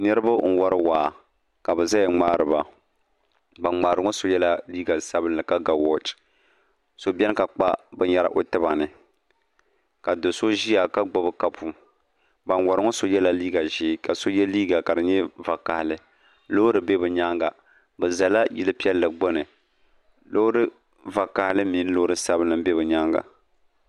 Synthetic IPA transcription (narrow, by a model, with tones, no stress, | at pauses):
nɨ˦ɾɨ˦ba˦ŋ̩˨wɔ˦ɾɨ˦waː˨ | ka˨bɨ˨za˦jɛ˨ŋ͡maː˦ɾɨ˨ba˨ | ba˨ŋ͡maː˨ɾɨ˨˦ŋo˦so˦jɛ˦la˦liː˦ɡa˨sa˦bɨ˦nɨ˨ka˦ɡa˨wɔ˦t͡ʃ | so˨bɛ˦n˦ka˨k͡pa̰˦bɨ˨ɲa˦ɾa̰˦ʔo˦tɨ˦ba˨nɨ˨ | ka˨do˨so˦ʒi˦ja˨ka˦ɡ͡bo˦bɨ˦ka˦pʰu˦ | ba˨nwa˨ɾɨ˨ŋo˦so˦jɛ˦la˦liː˦ɡa˨ʒiː˦ka˨so˦jɛ˦liː˦ɡa˨ka˨dɨ˨ɲɛ˦va˨ka˨hlɨ˨ | lo˦ɾɨ˨be˦bɨ˨ɲa˦ŋɡa˨ | bɨ˨za˨la˦jɪ˦lɨ˦pi˦ɛ˦lːɨ˨ɡ͡bo˦nɨ˨ | lo˦ɾɨ˦ | va˨ka˨hlɨ˦miː˨˦n˦lo˦ʊ˦ɾɨ˦sa˦bɨ˦nːɨ˨m˦be˦bɨ˨ɲa˦ŋɡa̰˨